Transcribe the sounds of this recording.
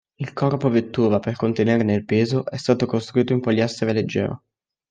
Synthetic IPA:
ilkʰɔrpovet̪ːuːvaperkont̪eneːɾenelpeːzoʔɛst̪aːt̪okost̪ɾuiːt̪oimpoʎːast̪eveled͡ʒːɛ̰ːɾo̰

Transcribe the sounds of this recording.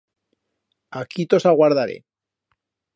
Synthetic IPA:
akʰit̪osaɣwaɾðaɾḛ

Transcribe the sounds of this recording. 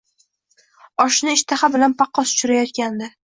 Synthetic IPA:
ɒʃnɪɪʃt̪ʰaχabɪlanpʰɑqʰːɒsʊ̥t͡ʃʰʊɾajɒt̪̚kʲand̪ɪ

